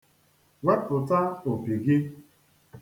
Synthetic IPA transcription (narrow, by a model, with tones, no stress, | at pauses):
we˦pʊ˨ta˦o˨pi˨ɡɪ˦